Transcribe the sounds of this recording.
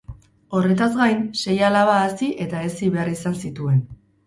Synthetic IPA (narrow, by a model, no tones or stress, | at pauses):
o̞re̞t̪azɣajnse̞jalaβaːsiʔe̞t̪aesiβe̞arisansit̪ue̞n